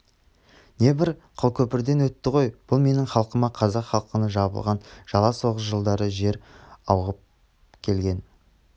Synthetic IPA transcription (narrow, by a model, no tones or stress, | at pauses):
ne̞bɪɾqʰəlˠkʲʰɵpɪɾd̪e̞nwɵt̪ːɪʁo̞jb̥ʊlˠme̞nɪŋχɑlˠqəmɑqʰɑzɑqχɑlˠqənəʒɑbə̰lˠʁɑnʒ̥ɑlˠɑso̞ʁəs̬ʒəlˠd̪ɑɾəʒe̞ɾɑwʁəp̚ | kʲʰe̞lɡʲe̞n